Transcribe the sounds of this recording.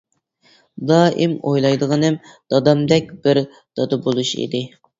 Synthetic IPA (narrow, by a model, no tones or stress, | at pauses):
d̪ɑːʔimojlˠɑjd̪əʁɑnɨm | d̪̥ɑd̪ɑmd̪ɛk̚ʲb̥ɪɾ | d̪̥ɑd̪ɑbolˠuʃḭd̪ɪ